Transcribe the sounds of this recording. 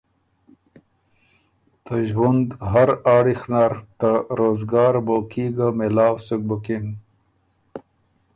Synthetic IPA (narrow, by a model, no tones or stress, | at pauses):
t̪aʒwund̪ɦaɾaːɽixnaɾt̪aɾoːzɡɑːɾbokiɡamelɑːwsuk̚bukin